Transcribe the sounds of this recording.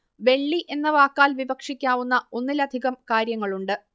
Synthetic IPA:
ʋe̞ɭːiʔe̞nːɐʋaːkːaːlʋibɐkʂikʲːaːʋunːɐonːilɐd̪ʱiɣɐmkaːɾjɐŋːɐɭuɳɖɨ

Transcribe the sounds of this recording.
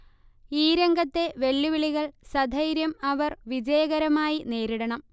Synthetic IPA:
iːɾeŋɡɐt̪ːe̞ʋe̞lːuʋiɭiɣɐɭsɐd̪ʱɐjɾjɐmɐʋɐrʋid͡ʑɐjɐɣɐɾɐmaːjine̞ːɾiɽɐɳɐm

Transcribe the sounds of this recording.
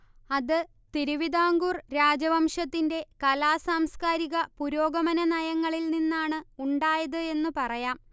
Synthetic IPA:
ɐðɨ | t̪iɾuʋid̪aːŋɡuːrɾaːd͡ʑɐʋɐmʂɐt̪ːinde̞kɐlaːsaːmskaːɾiɣɐpuɾo̞ːɡɐmɐnɐnɐjɐŋːɐɭilninːaːɳɨuɳɖaːjɐðɨe̞nːupɐrɐjaːm

